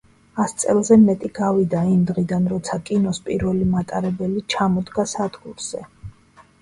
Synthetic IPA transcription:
ast̪sʼɛ̰lˠzɛmɛt̪ʼiɡavid̪aimd̪ʁid̪anɾɔt̪sʰakʼinɔspʼiɾvɛlimat̪ʼaɾɛbɛlit͡ʃʰamɔd̪ɡasad̪ɡuɾz̥ɛ

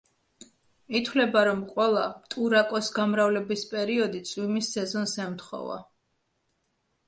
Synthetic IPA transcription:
it̪ʰwlɛbaɾɔmqʼwɛlˠat̪ʼuɾakʼɔsɡamɾavlɛbispʼɛɾiɔd̪it̪sʼwimisːɛzɔnsɛmt̪χɔ̰va̰

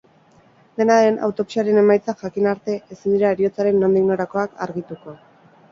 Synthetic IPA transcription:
d̪e̞naɾe̞na̰wt̪o̞pi̥saɾe̞ne̞majt͡saʝakinaɾt̪e̞ʔesind̪iɾaeɾio̞t͡saɾe̞nːo̞nd̪iɣno̞ɾako̞aka̰ɾɣit̪uko̞

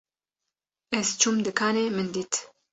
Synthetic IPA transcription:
ɛzt͡ʃʰumd̪ɨkʰaːneːmɨnd̪iːt̪

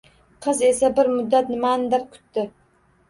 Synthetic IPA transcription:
qʰəzesabɪɾmʊd̪ːat̪nɪmaːnd̪aɾkʲʰʊ̥t̪ːɪ

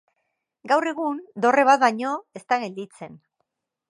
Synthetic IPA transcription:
ɡawre̞ɣ̞und̪o̞re̞βat̪̚βajɲo̞e̞st̪aɣe̞ld̪it͡se̞n

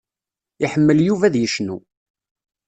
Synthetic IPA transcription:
iħəmːəljuvæðjəʃnu

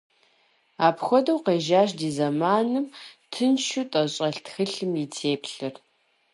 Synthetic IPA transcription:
aːpxʷɔdɐwqeːʒaːʃdiːzɐmaːnɨmtʰɨnʃutʼɐɕʼɐɬtxɨɬɨmjitʰeːpʰɬɨr

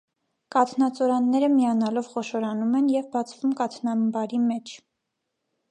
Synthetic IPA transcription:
kɑt̪ʰnɑt͡sɔɾɑnːɛɾəmijɑnɑlɔvχɔʃɔɾɑnumɛnjɛvbɑt͡sʰvumkɑt̪ʰnɑmbɑɾimɛt͡ʃʰ

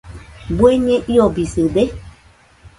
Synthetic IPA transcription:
bueɲɛ̃ʔiɔbisɨde

